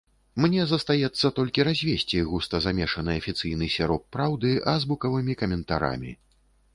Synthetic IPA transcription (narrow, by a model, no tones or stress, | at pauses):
mnʲɛzɐst̪ajɛt̪sːɐt̪ɔlʲkʲiɾazʲvʲesʲt͡sʲiɣust̪ɐzamʲɛʂɐnɨjɐfʲit̪sɨjnɨsʲaɾɔt̪̚pɾawd̪ɨɐzbukɐvɨmʲikɐmʲɛnt̪aɾa̰mʲḭ